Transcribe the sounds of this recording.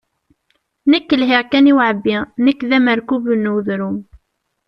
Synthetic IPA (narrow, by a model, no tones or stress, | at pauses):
nəkːəlɦiʁkæniwʕəbːinəkːðæməɾkubənːuðɾum